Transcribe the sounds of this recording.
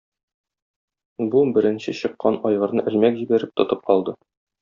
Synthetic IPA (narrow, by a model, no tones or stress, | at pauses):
bubɘ̆ɾɘ̆nɕɘɕɤ̆qːɑnɒjʁɤ̆ɾnɤʔɘ̆lmækʑibæɾɘp̚t̪ŏt̪ɤp̚qɒlˠd̪ɤ